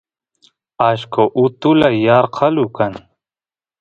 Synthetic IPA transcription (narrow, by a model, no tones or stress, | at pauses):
aɕkoʔut̪ulajaːɾqʰalukan